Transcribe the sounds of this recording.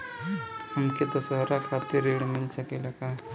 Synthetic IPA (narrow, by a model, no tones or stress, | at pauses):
hɐmked̪ɐsəɦɾakʰaːt̪ɪɾeːɽmɪlsɐkelɐka